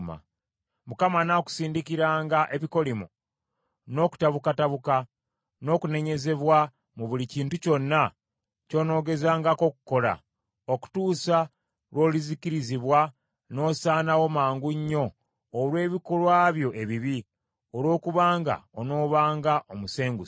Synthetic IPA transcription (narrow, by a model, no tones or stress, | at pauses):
ma̰ | mukamanaku̥siːndikiɾaːŋɡaʔe̞βiko̞limu | no̞ːku̥taβukataβuka | no̞ːkune̞ɲe̞ze̞βwa | muβuliciːntuco̞nːa | co̞ːno̞ːɡe̞zaːŋɡako̞ku̥ko̞la̰ | oku̥tuːsa | lwo̞ːliziciɾiziβwa | no̞ːsaːnawo̞maːŋɡuɲːo̞ː | lwe̞ːβikolwaːβjo̞ʔe̞βiβi | olwo̞ːkuβaːŋɡa̰ono̞ːβaːŋɡaʔomuse̞ːŋɡu